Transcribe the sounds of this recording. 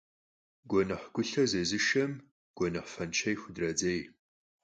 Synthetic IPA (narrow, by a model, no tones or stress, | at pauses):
ɡʷɔnɐħɡʷʊɬɐzezɨʃɐm | ɡ̥ʷɔnɨħfɐnt͡ʃʰɐjxʷʊdrɐd͡zej